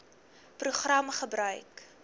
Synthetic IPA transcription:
pruχrɐmχəbrœɥk

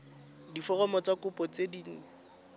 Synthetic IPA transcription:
difɔrɔmɔt͡sʼakʊpʼɔt͡sediːŋ̩

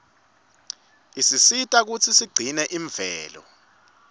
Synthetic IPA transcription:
isisitʼak̬ut͡sʰisiɡ͡ǀʱinɛʔiɱvɛːlɔ̰

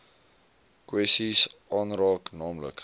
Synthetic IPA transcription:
kwɛstisʔɑːnrɑːknɑːmlə̰k

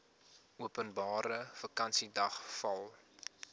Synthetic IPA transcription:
uəpənbɑːɾəfɐkɐnsidɐχfɐlˠ

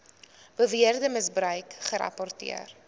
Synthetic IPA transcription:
b̥əviərdəməsbɾœɥkχəɾɐ̰pɔrtḭə̰r

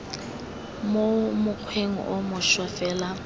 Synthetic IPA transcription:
momʊq͡χʰweŋ̩ʔomʊʃwafɛːla

